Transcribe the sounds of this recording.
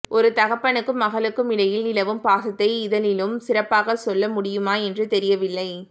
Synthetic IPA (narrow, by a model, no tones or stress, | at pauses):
ʔɔɾɯt̪ɐɣɐpːɐɳɯkːɯmːɐɣɐɭɯkːɯmɪɽɐjɪlɪlɐʋɯmpaːsɐt̪ːɐɪɪðɐlɪlɯmsɪrɐpːaːɣɐsɔlːɐmʊɽɪjɯmaːɛndrɯt̪ɛɾɪjɐʋɪlːɐɪ